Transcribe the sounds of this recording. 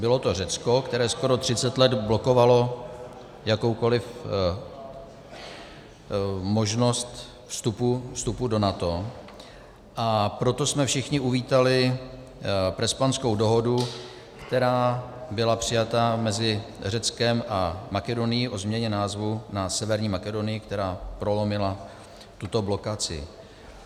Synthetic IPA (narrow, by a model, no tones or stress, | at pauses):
bɪlo̞t̪or̝ɛt͡skokt̪ɛɾɛːsko̞ɾo̞t̪r̝̥ɪt͡sɛt̪lɛd̪blo̞ko̞valo̞ | jako̞wko̞lɪf | mo̞ʒno̞st̪ | fst̪upufst̪upudo̞nat̪o̞ | ʔapɾo̞t̪o̞smɛfʃɪxɲɪuviːt̪alɪ | pɾɛspansko̞wdo̞ɦo̞du | kt̪ɛɾaːbɪlapr̝̥ɪjat̪amɛzɪ | rɛt͡skɛmʔamakɛdo̞nɪjɪʔo̞zmɲɛɲɛnaːzvunasɛvɛɾɲiːmakɛdo̞nɪjɪkt̪ɛɾaːpɾo̞lo̞mɪla | t̪ut̪o̞blo̞kat͡sɪ̰